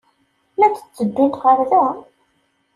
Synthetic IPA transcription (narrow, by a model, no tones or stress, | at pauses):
mæt͡sːə̥t͡sːəd̪ːʊnt̪qəɾðæ